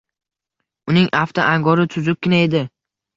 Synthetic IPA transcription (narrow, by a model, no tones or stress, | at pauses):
ʊnɪŋʔaft̪ʰaʔaŋɡɒɾɪt̪ʰʊzʊp̚ʲkʲɪnae̞d̪ɪ